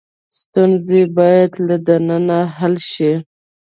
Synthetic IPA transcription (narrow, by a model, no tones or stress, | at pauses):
st̪unzebɑjad̪lad̪ananaɦalʃi